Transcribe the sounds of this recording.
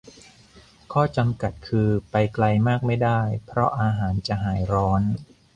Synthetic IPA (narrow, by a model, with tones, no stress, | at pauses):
kʰɔː˥˩t͡ɕa˧mka˨˩t̪̚kʰɯː˧pa˧jkla˧jmaː˥˩k̚ma˥˩jdaː˥˩jpʰɾɔ˦˥ʔaː˧ɦaː˩˦nt͡ɕa˨˩ʔɦaː˩˦jɾɔː˦˥n